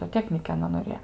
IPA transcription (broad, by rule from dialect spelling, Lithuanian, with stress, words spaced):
zoːˈtʲæːknʲiːkʲɛ ɐˈnɐ noːˈrʲeːjoː